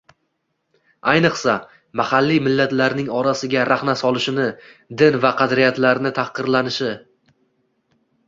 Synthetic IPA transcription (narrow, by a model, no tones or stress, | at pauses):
ajnɨqsa | mahalːijmɪlːat̪laɾnɪŋɒɾasɪɡʲaɾaχnasɒlˠɪʃɪnɪd̪ɪnvaqʰɑd̪ɾijat̪laɾnɪt̪ʰaχqɨɾlanɪʃɪ